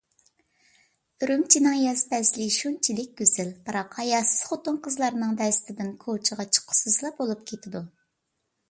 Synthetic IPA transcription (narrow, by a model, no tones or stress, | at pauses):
ɾymt͡ʃʰinɪŋjɛspɛslɪʃunt͡ʃʰilɪk̚ʲɡʲøzɪlbɨɾɑqʰɑjɑsɨ̥z̥χot̪ʊnqəzlˠɑɾɨnɨŋd̪ɛst̪ʰɪd̪ɪnkʰot͡ʃʰəʁɑt͡ʃʰə̥qʰːʊ̥sɨzlˠɑp̚bolˠup̚kʲʰet̪ʰɪd̪u